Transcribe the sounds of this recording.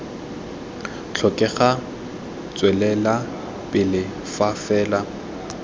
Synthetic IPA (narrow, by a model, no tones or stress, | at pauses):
t͡ɬʰɔkʼɛχa | t͡sʼwɛlɛla | pʼɪlɪ | fafɛːla